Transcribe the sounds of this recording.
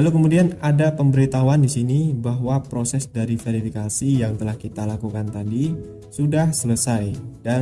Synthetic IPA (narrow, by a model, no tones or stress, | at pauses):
alokəmudianadapəmbəɾit̪awandisinibaɦwapɾosɛsdaɾifeɾifikasijaŋt̪əlahkit̪alakukant̪adi | sudahsələsajda